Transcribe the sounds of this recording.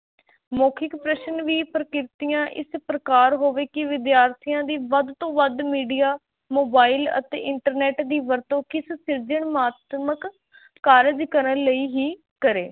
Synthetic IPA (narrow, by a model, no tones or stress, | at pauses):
moːkʰɪkpɾɛːʃənʋiːpɾəkɪɾt̪ɪjãːʔɪ̰spɾəkaːɾɦoːʋeːkɪʋɪd̪jaːɾt̪ʰijãːd̪iːʋəd̪t̪õːʋəd̪miːɖijaː | moːbaːilə̰t̪ḛːʔɪɳʈəɾnɛːʈd̪iːʋəɾt̪õːkɪssɪɾd͡ʒəɳmaːt̪məkː | aːɾɪd͡ʒkəɾənləiːɦiː | kəɾeː